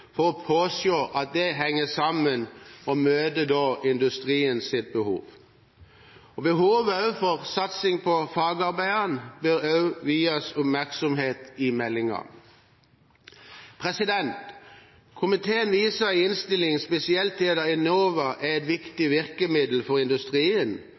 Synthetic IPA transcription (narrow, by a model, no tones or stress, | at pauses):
fɔʁɔpʰoːsjoːʔɑt̪̚d̪ɛɦɛŋːəsɑmənɔmøːd̪əd̪oːʔɪnd̪ʉst̪ʁiːənsɪt̪̚bəhṵːʋ | ɔbəhuːʋɑʉfɔʁsɑt̪sɪŋpʰɔfɑːɡɑɾbæɪɑnbəɾɑʉʋiːɑsʊpmæʁksɔmheːt̪ɪmɛlːɪŋɑ̰ | pʰʁɛsɪd̪ɛnt̪ | kʰʊmɪt̪ʰeːənʋiːsəɪnst̪ɪlɪŋspɛsɪɛlt̪ʰɛd̪əɪnoːʋəʔæɛt̪ʋɪkt̪ɪʋɪʁkəmɪd̪l̩fɔʁɪnd̪ʉst̪ʁiːən